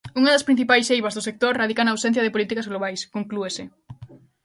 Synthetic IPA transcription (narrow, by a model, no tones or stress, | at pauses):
uŋaðɐspɾin̟θipajsejβɐzðʊsek̚t̪oɾraðikanaːwsɛnθjɐðeɪpolit̪ikazɣloβajskoŋkluesɪ